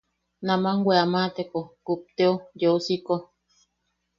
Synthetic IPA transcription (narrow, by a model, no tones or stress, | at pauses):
namaŋwʷeamat̪ekokup̚t̪eojeusiko